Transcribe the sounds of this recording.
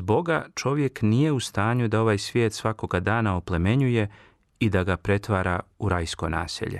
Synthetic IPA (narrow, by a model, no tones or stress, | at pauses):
zbo̞ɡat͡ʃo̞ʋje̞knije̞ust̪aːɲud̪ao̞ʋaːjsʋje̞ːt̪sʋako̞ɡad̪aːnaople̞me̞ɲuje̞ | id̪aɡapɾe̞t̪ʋaːɾauɾajskona̰ːsḛʎe̞̰